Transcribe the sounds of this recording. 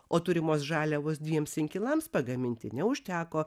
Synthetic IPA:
oːt̪ʊɾʲɪmoːsʒɑːlʲɛʋoːsd̪ʲʋʲiɛmsɪŋʲkʲɪlˠɐmspɐɡɐmʲɪnʲt̪ʲɪnʲɛʊʃʲt̪ʲæːkoː

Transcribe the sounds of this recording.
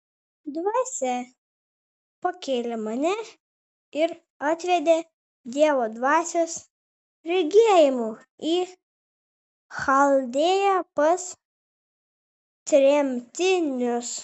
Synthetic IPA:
d̪ʋɑːsʲɛ | pɐkʲeːlʲemɐnʲɛ | ɪɾ | ɑt̪ʲʋʲɛd̪ʲe | d̪ʲiɛʋoːd̪ʋɑːsʲos | ɾʲɛɡʲiɛjɪmu | iː | xɐlʲˠd̪ʲeːjɛpɐs | t̪ʲɾʲɛmʲt̪ʲɪnʲʊs

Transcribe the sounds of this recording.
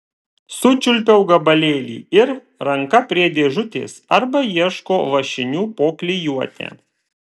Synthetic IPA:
sʊt͡ʃʲʊlʲpʲɛʊɡɐbɐlʲeːlʲḭːɪɾ | ɾɐŋkɐpʲɾʲiɛd̪ʲeːʒʊt̪ʲḛːsɐɾbɐjiɛʃkoːʋɐʃʲɪnʲuːpoːklʲɪjuɔt̪ʲḛː

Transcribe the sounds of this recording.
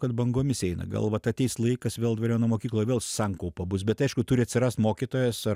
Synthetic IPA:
kɐt̪bɐŋɡoːmʲɪsɛɪnɐ̰ɡɐ̰lˠʋɐt̪ɐtʲɛɪslˠɐɪkɐsʋʲeːlˠd̪ʋɐɾʲoːʊnoːmoːkʲiːklˠojʋeːlˠssɑŋkɐʊpɐbʊsbʲɛt̪ɐɪʃkʊt̪ʊɾʲɪɐtʲsʲɪɾɑst̪moːkʲit̪oːjɛsɐ

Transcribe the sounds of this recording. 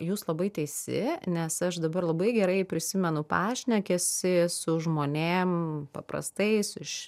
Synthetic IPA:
juːslˠɐbɐɪt̪ʲɛɪsʲɪ̰nʲɛsɐʃd̪ɐbɐɾlˠɐbɐɪɡʲɛɾɐɪpʲɾʲɪsʲɪmʲɛnʊpɑːʃʲnʲɛkʲɛsʲɪsʊʒmoːnʲeːmpɐ̰pɾɐ̰st̪ɐɪsɪʃ

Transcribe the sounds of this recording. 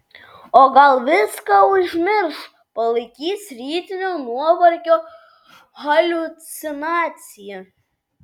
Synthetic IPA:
oɡɐlˠʋʲɪskɐʊʒʲmʲɪɾʃ | pɐlˠɨkʲiːsʲɾʲiːt̪ʲɪnʲonuɔʋɐɾʲkʲoː | ɣɐlʲut̪sʲɪnɑːt̪sʲɪjɛ

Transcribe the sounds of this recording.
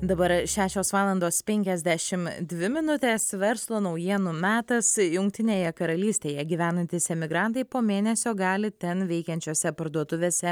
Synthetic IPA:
d̪ɐbɐɾʃʲæːʃʲoːsʋɑːlˠɐnd̪oːspʲɛŋʲkʲɛzʲd̪ʲæʃʲɪmd̪ʲʋʲɪmʲɪnʊt̪ʲeːsʋʲɛɾslˠoːnɒʊjiɛnumʲæːt̪ɐsjʊŋk̚t̪ʲɪnʲeːjɛkɐɾɐlʲiːsʲt̪ʲeːjɛɡʲiʋʲæːnɐnʲt̪ʲɪsʲɛmʲɪɡɾɐnt̪ɐɪpoːmʲeːnʲɛsʲoːɡɑːlʲɪt̪ʲɛnʋʲɛɪkʲɛnʲt͡ʃʲoːsʲɛpɐɾd̪uɔt̪ʊʋʲeːsʲɛ

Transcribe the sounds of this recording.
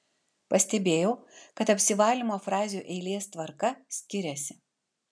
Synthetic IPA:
pɐsʲt̪ʲɛbʲeːjɛʊkɐt̪ɐpʲsʲɪʋɑːlʲimoːfɾɑːzʲjuːʔɛɪlʲeːst̪ʋɐɾkɐsʲkʲɪɾʲɛsʲɪ

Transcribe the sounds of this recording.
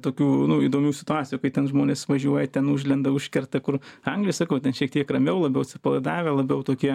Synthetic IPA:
t̪oːkʲuːnʊiːd̪oːmʲuːsʲɪ̥t̪ʊɑːt͡sʲɪjuːkɐɪtʲɛnʒmoːnʲeːsʋɐʒʲuɔjɛt̪ʲɛnʊʒʲlʲɛnd̪ɐʊʃʲkʲɛrt̪ɐkʊrɐŋɡlʲɪjsɑːkoʊtʲɛnʃʲiɛk̚t̪ʲiɛkrɐmʲɛʊlˠɐbʲɛʊsʲɪpɐlˠɐɪd̪ɑːʋʲelˠɐbʲɛʊt̪oːkʲiɛ

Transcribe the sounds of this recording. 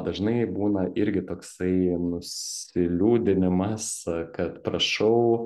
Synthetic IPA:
d̪ɐʒnɐɪbuːnɐʔɪɾʲɡʲɪt̪oːksɐɪnʊsʲɪlʲuːd̪ʲɪnʲɪmɐskɐt̪pɾɐʃɐʊ

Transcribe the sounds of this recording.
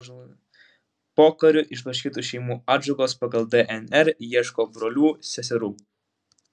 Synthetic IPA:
poːkɐɾʲʊʔɪʃbˠɐʃ̬ʲkʲiːt̪uːˑʃʲɛɪmuːɑːd͡ʒɔɡoːspɑɡɐlˠd̪ɛʔɛnɛɾjiɛʃkoːbɾoːlʲuːsʲɛsʲɛɾuː

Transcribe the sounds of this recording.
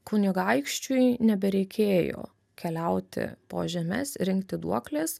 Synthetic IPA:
kʊnʲɪɡɐɪkʃʲt͡ʃʲʊjnʲɛbʲɛɾʲɛɪkʲeːjo̰ː | kʲɛlʲɛʊt̪ʲɪ̰poːʒʲɛmʲɛ̰sɾʲɪŋkt̪ʲɪd̪ṵɔklʲeːs

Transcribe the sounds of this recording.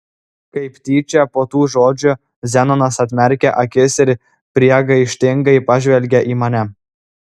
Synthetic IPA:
kɐɪpt̪ʲiːt͡ʃʲɛpoːt̪uːʒod͡ʒʲʊ | zʲænonɐsɐt̪ʲmʲæɾʲkʲæʔɐkʲesʲeɾʲ | pʲɾʲiɛɡɐɪʃʲt̪ʲɪŋɡɐɪpɑʒʲʋʲɛlʲɡʲɛʔimɑnʲæ

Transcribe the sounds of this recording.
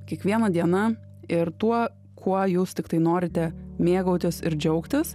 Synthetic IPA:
kʲiɛkʋʲiɛnɐd̪ʲiɛnɐ | ɪɾt̪uɔ | kʰuɔjuːst̪ʲɪkt̪ɐɪnoːɾʲɪt̪ʲɛmʲeːɡɐʊt̪ʲɪsɪɾd͡ʒʲɛʊkt̪ʲɪs

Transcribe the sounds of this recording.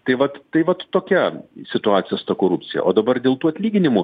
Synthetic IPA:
t̪ɐɪʋɐt̪t̪ɐɪʋɐt̪toːkʲɛsʲɪt̪ʊɑːt̪sʲɪjɛst̪ɐkoːɾʊpʲt͡ssʲɪjɛ̰ʔo̰ːd̪ɐbɐrd̪ʲeːlˠt̪uːɐt̪ʲlʲiːɡʲɪnʲɪmʊ

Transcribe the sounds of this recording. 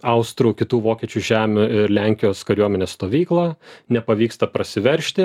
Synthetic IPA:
ɐʊst̪ɾuːkʲɪt̪uːʋoːkʲiɛt͡ʃʲuʒʲæːmʲʊɪɾlʲæŋʲkʲɪjoːskɐɾʲuɔmʲɛnʲeːsst̪oːʋʲiːklˠɐnʲɛpɐʋʲiːkst̪ɐpɾɐsʲɪʋʲɛɾʲʃʲt̪ʲɪ

